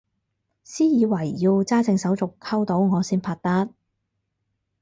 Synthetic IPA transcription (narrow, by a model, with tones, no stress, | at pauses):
siː˥jiː˨˧wɐ˨˩jːi˧wt͡saː˥t͡sɪ˧ŋsɐ˨˥wt͡sʊ˨kʰːɐ˥wt̪o˨˥wŋɔː˨˧siː˥npʰaː˧˥t̚t̪aː˥t̚